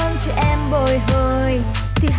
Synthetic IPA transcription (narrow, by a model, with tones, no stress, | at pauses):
nt͡ɕɔ˧ʔɛ˧mɓo˨˩jɦəː˨˩j | t̪ʰi˨˩ɦ